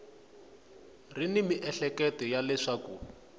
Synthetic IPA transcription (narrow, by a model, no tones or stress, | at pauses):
rinimiʔɛɬɛkɛtɔjalɛʂaku